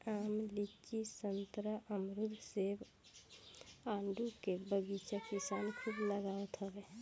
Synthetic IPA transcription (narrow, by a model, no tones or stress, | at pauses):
amlit͡ʃisənt̪ɾəʔəmɾud̪ʱseb | aɳɖukebəɡit͡ʃakisankʰubləɡaʋət̪ɦɔɡe